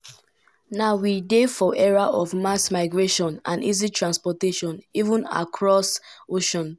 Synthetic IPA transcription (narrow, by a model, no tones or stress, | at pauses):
naʊwidefɔʔɛɹaʔɔvmasmaɪɡɹeʃɔ̃nãnḭzitʰɹãnspɔteʃɔ̃nivũna̰kʰɹɔsoʃɔ̃n